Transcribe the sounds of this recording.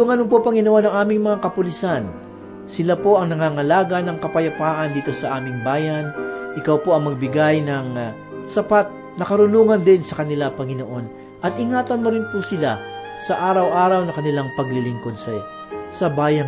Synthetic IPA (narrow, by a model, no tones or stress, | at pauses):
ʊŋɐnʊŋpopɐŋɪnoʔo̞nɐŋʔaːmɪŋmɐŋakɐpʊlɪsan | sɪlapo̞ʔɐŋnɐŋaːŋɐlaːɡɐnɐŋkɐpɐjɐpaːʔɐnd̪iːt̪o̞sɐʔaːmɪŋbaːjanʔɪkawpo̞ʔɐŋmɐɡ̚bɪɡajnɐŋ | sɐpat̪̚ | nɐkɐɾʊnuːŋɐnd̪ɪnsɐkɐnɪlapɐŋɪno̞ʔo̞n | ʔɐt̪ʔɪŋaːt̪ɐnmʊɾɪnpʊsɪla | sɐʔaːɾɐwʔaːɾɐwnɐkɐnɪlaŋpɐɡlɪlɪŋko̞d̪̚sɐ | sɐbaːjɐn